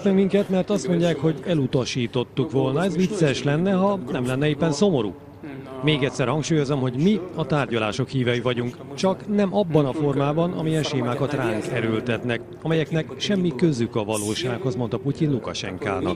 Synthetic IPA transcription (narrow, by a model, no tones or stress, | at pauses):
ɛŋkmiŋkɛt̪mɛrt̪ɒst̪mo̞ɲɟaːkho̞ɟɛlut̪ɒʃiːt̪o̞t̪ːukʋo̞lnɒɛzvit̪sɛʃlɛnːɛɦɒnɛmlɛnːɛeːpːɛnso̞mo̞ɾṵː | meːɡɛc̪ʲsɛrhɒŋkʃuːjo̞zɒmho̞ɟmiɒt̪aːrɟɒla̰ːʃo̞khiːvjɒjivɒɟuŋk | t͡ʃɒknɛmʔɒbːɒnɒfo̞rmaːbɒnɒ̰mijɛnʃeːmaːkɒt̪raːŋt̪ɛɾølt̪ɛt̪nɛk | ɒmɛjɛknɛkʃɛmːikøzykɒvɒloːʃaːkhozmo̞nt̪ɒpucinlukɒ̰ʃɛ̰ŋka̰ːnɒ̰k